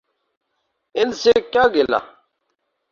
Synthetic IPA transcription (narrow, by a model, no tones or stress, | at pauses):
ɪnsekjaːɡela̰ː